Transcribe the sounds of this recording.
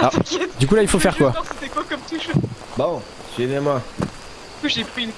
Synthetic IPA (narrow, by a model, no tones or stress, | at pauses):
kɛd̪ykulailfofɛʁkwaɑ̃set̪ɛpakɔmt̪uʃ | bɔ̃ | sɥɛvjɛ̃mwa | kuʒepχyn